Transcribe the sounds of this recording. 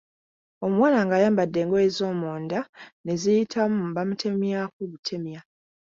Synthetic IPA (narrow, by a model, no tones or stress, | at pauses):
o̞mwaːnaŋɡaːjaːmbadːe̞ːŋɡoezo̞ːmoːndane̞zijitʰamumbamutʰe̞mjakuβutʰe̞mja